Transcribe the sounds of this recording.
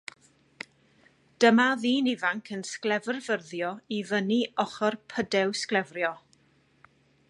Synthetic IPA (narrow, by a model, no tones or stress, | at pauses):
d̥əmaðiːnɪvaŋkʰənsklɛvrvərðjɔivəniɔχɔrpʰədɛwsklˠɛvrjɔ